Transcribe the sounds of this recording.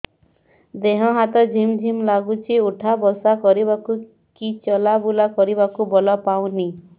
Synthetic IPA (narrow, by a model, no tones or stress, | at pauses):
d̪eɦɔɦat̪ɔd͡ʒʱimd͡ʒʱimlaɡut͡ʃʰiuʈʰabɔsakɔɾibaku | kit͡ʃɔlabulakɔɾiβakubɔlɔpaw̃ni